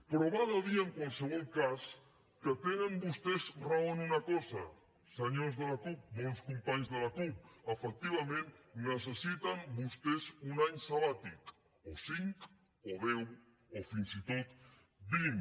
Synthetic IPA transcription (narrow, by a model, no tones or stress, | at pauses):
pɾoβaðaðiaeŋkwalˠsəβ̞ɔlˠkas | kət̪enəmbust̪ezraonunakɔza | səɲozðəlakup̚bɔnskumpaɲzðəlakup̚əfək̚t̪iβ̞amẽnnəs̬əsit̪ambust̪esunaɲsaβat̪ik | osiŋk | oðɛw | ofinsit̪ot̪ | biŋ